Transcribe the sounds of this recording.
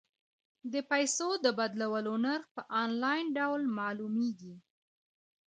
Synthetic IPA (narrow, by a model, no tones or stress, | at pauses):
d̪əpajsod̪əbad̪lawəlonaɾpəʔɑnlɑjnɖawlmɑlumeɡi